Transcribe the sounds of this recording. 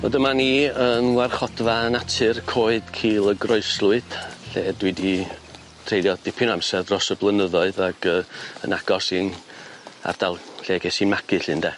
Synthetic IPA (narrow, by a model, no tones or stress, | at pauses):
ɔ̰dəmaniːənwarχɔdvaənatʰɨrkʰoːɨd̥kʰiːlˠəɡrɔɨslˠʊɨd̥ɬeːdwidi | tʰr̥ejlˠjɔd̥ɪpʰʊnamsɛðrɔsəblˠənəðɔɨðaɡ̥əːə̰naɡ̥ɔsin | a̰rd̥alˠɬeːɡɛsinmaɡɨɬɨndɛː